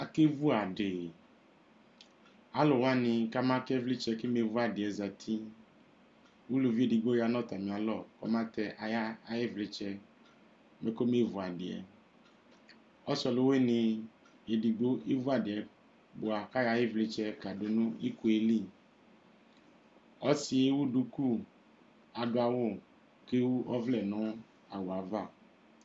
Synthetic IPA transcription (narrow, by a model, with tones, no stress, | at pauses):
a˨ke˦vu˦a˨ɖɪ˨ | a˨˦lɔ˨wa˦nɪ̃˧ka˦mã˦kɛ˦vlɪ˦t͡ʃɛ˧kɪ˦me˨˦vu˦a˨dɪ˨ɛ˨za˨tʰi˦ | wu˦lo˨vi˦e˨di˨ɡ͡bo˦a˨nɔ˦˨ta˨mĩ˨a˨lɔ˦˨kɔ̰˨ma˦tɛ˧ʔa˨ja˦a˨jɪ˦vlɪ˦t͡ʃɛ˧ | me˨˦ko˦me˦˨vu˨a˨dɪ˨ɛ̰˨ | ɔ˦sɔ˨lo˦we˦nɪ̃˨ | e˨di˨ɡ͡bo˦ʔe˦vu˦a˨dɪ˨ɛ˨ | bʊ˨a˨ka˦ja˨˦ɪ˦vlɪ˨˦t͡ʃɛ˦ka˨do˨nʊ̃˦i˦ku˨e˦li˦˨ | ɔ˦si˨e˦wu˦ɖu˦ku˦ | a˨dʊ˨a˨wʊ˦˨ | ke˦wu˦ʔɔ˦vlɛ˨nʊ̃˦ | a˨wo˨a˨va˦˨